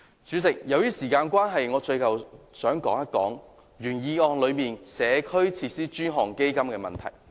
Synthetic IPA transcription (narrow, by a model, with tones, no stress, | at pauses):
t͡ʃyː˨˧t͡sɪ˨k̚jɐ˨˧wjiː˥siː˨˩kaː˧nkʷwaː˥nɦɐ˨jŋɔː˨˧t͡ʃɵ˧ɥkɐ˨wsœː˨˥ŋkɔː˨˥ŋjɐ˥kɔ̰ː˨˥ŋ | ɥyː˨˩njiː˨˧ɔː˧ŋlɵ˨˧ɥmiː˨nsɛː˨˧kʰɵ˥ɥt͡sʰiː˧t̚siː˥t͡ʃyː˥nɦɔː˨˩ŋke˥jkɐ˥mkɛː˧mɐ˨nt̪ʰɐ̰˨˩j